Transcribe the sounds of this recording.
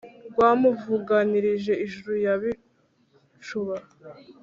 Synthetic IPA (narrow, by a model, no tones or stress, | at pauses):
ɡwaːmuvuɡaniɾiʒe̞iʒuɾujaβi | ʃuβaɾa